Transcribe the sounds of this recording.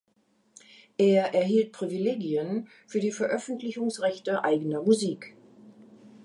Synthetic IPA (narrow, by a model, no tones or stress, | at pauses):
ʔeːɐʔɛɐɦiːlt̚pʁ̥ivileːɡiən | fyːɐdiːfɛɐʔœfn̩tʰlɪçʊŋsʁɛçtəʔaɪɡənɐmuziːk